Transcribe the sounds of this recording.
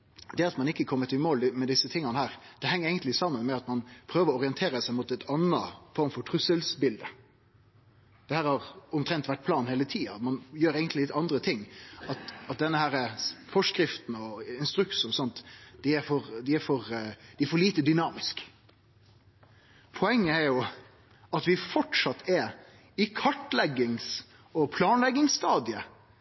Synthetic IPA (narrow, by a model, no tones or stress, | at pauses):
d̪ɛɑt̪mɑnɪkːəkʰɔmːət̪ɪmoːlmɛd̪ɪsət̪ʰɪŋːɑnəhæːɾd̪̥ɛhɛŋːəɾɛɪɡənt̪lɪsɑmːənmɛɑt̪mɑnpʰɾøːʋəɾɔɔʁɪɛnt̪ʰeːɾəsæɪmut̪ɛɪt̪ʰɑnːəfɔɾmfɔʈ̪ʰɾʉsəlsbɪld̪ə | d̪̥ɛhæːɾhɑʁɔmt̪ʰɾɛnt̪ʋæʈ̚ːpʰlɑːnheːlət̪ʰiːɑ̰mɑnjøːɾɛːɡənt̪lɪlɪt̪ɑnd̪ɾət̪ʰɪŋːɑt̪ɑt̪̚d̪ɛnːəhæːɾəfɔʂkɾɪft̪n̩ɔɪnst̪ɾʉksɔsɔnt̪d̪̥ɪæfɔɾd̪ɪæɾfɔɾd̪ɪɛfɔɭiːt̪əd̪ʏnɑːmɪsk | pʰɔɛŋːəæɾjʊ | ɑt̪ʋɪfɔʈɑt̪ʰːɛ | ɪkʰɑʈlɛɡːɪŋs | ɔpʰlɑːnlɛɡːɪŋsst̪ɑːd̪ɪə